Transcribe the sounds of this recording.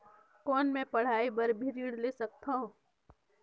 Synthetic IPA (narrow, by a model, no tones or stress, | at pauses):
kɔːnmẽpɐɽ̤aːibɐɾbʱiɾiːɽlesɐk̚t̪aɦõː